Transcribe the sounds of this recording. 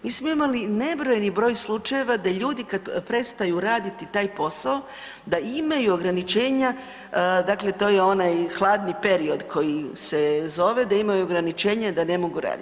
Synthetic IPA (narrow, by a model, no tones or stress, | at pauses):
miːsmo̞imaline̞bɾo̞jenibɾo̞ːjslˠut͡ʃajeʋad̪aʎuːd̪ikad̪pɾe̞t̪st̪ajuɾaːd̪it̪it̪aːjpo̞sao | d̪aimajuoɡɾanit͡ʃe̞ːɲa | d̪akle̞t̪o̞ːjeo̞najxlˠaːd̪nipe̞ɾio̞d̪kʰo̞jise̞zo̞ʋe̞d̪aimajuoɡɾanit͡ʃe̞ːɲad̪ane̞mo̞ɡuɾa̰ːd̪i